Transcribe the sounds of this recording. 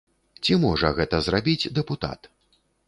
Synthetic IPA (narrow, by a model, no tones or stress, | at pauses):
t͡sʲimɔʐɐɣɛt̪ɐzrabʲid͡zʲd̪ɛput̪a̰t̪